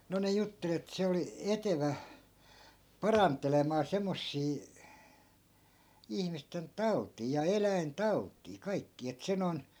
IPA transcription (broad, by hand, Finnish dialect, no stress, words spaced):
no ne jutːel et se oli eteʋæ pɑrɑntˑelemɑː semːosːiː ihmisten tɑu̞tˑiː jɑ elæintɑu̞tˑiː kɑikːiː et se non